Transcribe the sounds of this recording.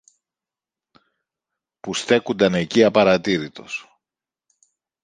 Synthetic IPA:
pust̪e̞kund̪ɐne̞ciɐpɐɾɐt̪iɾit̪o̞s

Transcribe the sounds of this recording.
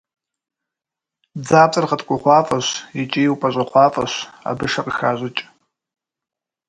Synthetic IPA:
d͡zaːpʼɨrʁɐtkʷʼʊχʷɑːfʼɐɕjɪt͡ʃʼijwpʼɐʑʷʼɐχʷɑːfʼɐɕa̰bɨʂɐqəxaːʑʷɪt͡ʃʼ

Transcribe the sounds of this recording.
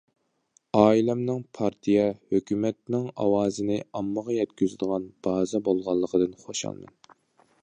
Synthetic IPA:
ɑːilɛmnɪŋpʰɑɾt̪ʰijɛhøkʲʰymɛt̪nɪŋɑ̰wɑːzɨnɪɑmːəʁɑjɛt̪̚kʲyzɪd̪ɨʁɑnb̥ɑːzɛbolˠʁɑlˠːəqʰəd̪ɨnχoʃɑ̰lˠmɛ̰n

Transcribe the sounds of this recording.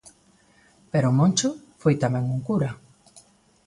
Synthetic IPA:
peɾomõnt͡ʃʊ | fojt̪amɛ̃ŋuŋkuɾa

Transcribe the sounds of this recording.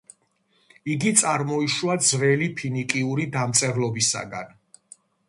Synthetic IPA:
iɡit̪sʼaɾmɔiʃuad̪zvɛlipʰinikʼiuɾid̪amt̪sʼɛɾlɔbisa̰ɡa̰n

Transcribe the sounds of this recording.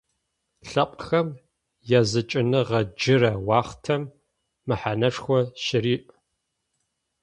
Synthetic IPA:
ɬɐqʷʼxɐm | jazɨt͡ʃʼɪnɨʁɐd͡ʒɪɾɐwɑːχtʰɐmː | ɨħanɐʂxʷɔʃɪriːʔ

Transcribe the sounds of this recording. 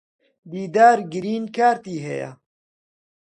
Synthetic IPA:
b̪iːd̪aːɾɡɨɾiːnkʰaːɾt̪iːɦɛ̰ja̰

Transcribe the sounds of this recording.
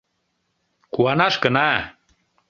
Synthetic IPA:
kuanaʂkəna

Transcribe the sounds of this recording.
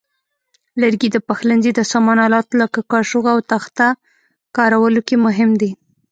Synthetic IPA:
ləɾɡid̪əpaxlanzid̪əsɑmɑnɑlɑt̪lakakɑʃuɣawt̪axt̪a | kɑɾawəlokemʊɦɪmd̪i

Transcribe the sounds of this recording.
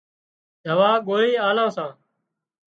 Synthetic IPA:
d͡ʒʱəʋaːɠoːiːaːlãːsãː

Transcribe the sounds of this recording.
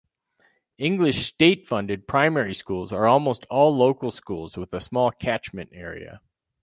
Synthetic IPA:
ɪ̃ŋɡlɨʃsteɪtfʌ̃ndɨd̚pʰɹ̥ãɪ̃mɛɹiskulˠzə˞ɔlˠmoʊstʰɔlˠloʊkl̩ˠskulˠzwəðəsmɔlˠkʰæt͡ʃmɨ̃nɛɹḭɨ̰

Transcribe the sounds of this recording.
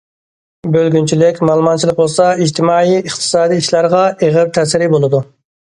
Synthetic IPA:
bølɡʲynt͡ʃʰilɪkʲmɑlˠmɑnt͡ʃʰilˠɪk̚bolˠsɑid͡ʒt̪ʰɪmɑːiəχt̪ʰɨ̥sɑːd̪iiʃlæɾʁɑʔeʁɪɾt̪ʰɛsɪɾɪbolˠɨd̪u

